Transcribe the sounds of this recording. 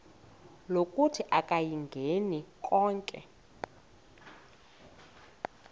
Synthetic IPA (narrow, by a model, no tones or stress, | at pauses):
lokʼutʰiʔakʼajiŋɡʱenikʼɔːŋkʼɛ̰